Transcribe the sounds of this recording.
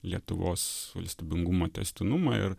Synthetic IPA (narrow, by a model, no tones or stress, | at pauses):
lʲiɛt̪ʊʋoːsʋɐ̰lʲsʲt̪ʲiːbʲɪŋɡumoːt̪ʲɛ̰sʲt̪ʲɪnumɑɪ̰ɾ